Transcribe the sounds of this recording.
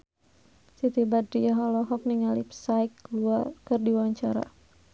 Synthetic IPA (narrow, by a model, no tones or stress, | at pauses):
sit̪ibad̪ɾiaɦɔlɔɦɔk̚niŋalipsajkːluarkɨrdiwaɲt͡ʃaɾa̰